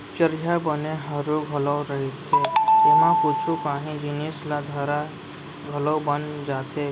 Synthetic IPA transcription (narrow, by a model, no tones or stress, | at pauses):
t͡ʃəɾjabəneɦəɾuɡʱəlɔwɾəɦet̪ʰːeʊɦãput͡ʃʰukaːɦĩd͡ʒɪnislad̪ʱəɾa | ɡʱəloːbənd͡ʒaːt̪e